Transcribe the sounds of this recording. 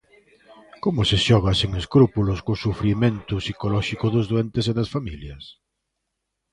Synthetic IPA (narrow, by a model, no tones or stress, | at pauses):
komʊseʃɔɣ̞aseŋeskɾupulʊskosufɾiment̪ʊsikolɔʃikʊðʊzðoɛnt̪eseðɐsfamiljɐs